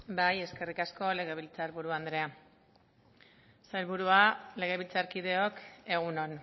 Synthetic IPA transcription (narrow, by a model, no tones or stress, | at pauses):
baje̞ske̞rikasko̞le̞ɣ̞e̞βilt͡saɾβuɾuand̪ɾe̞a | sajlβuɾuale̞ɣ̞e̞βilt͡saɾkið̞e̞o̞ke̞ɣ̞uno̞n